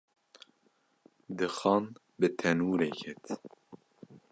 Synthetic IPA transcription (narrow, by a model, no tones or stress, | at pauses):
d̪ɨxɑːn | bɨt̪ʰɛnuːɾekʰɛt̪